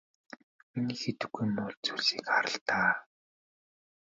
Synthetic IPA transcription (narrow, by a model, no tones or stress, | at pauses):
miniːxet̪ɘ̆ɡːujmʊːɮt͡suɮsiːkaɾə̆ɬt̪aː